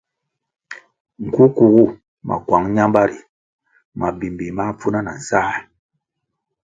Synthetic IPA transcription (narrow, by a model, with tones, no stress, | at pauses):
ŋ̩˨ku˦ku˨ɡu˦˨ | ma̰˨kwa˨˦ŋɲa˦mba˦ɾi˨ | ma˨bi˨mbi˨ma˦p͡fu˦na˦na˨n̩˨saː˦˨